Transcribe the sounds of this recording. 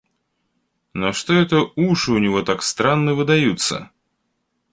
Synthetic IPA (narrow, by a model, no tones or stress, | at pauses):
noʂt̪oɛt̪əuʂɨʊnʲɪvo̞t̪akst̪ɾanːəvɨd̪ɐjut̪sə̰